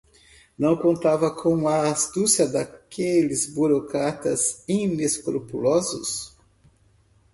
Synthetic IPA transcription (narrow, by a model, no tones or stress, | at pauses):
nɐ̃w̃kõnt̪avɐkʰõw̃ɐːst̪usjɐd̪akʰelɪzbuɾokɾat̪ɐzĩneskɾopulɔzʊs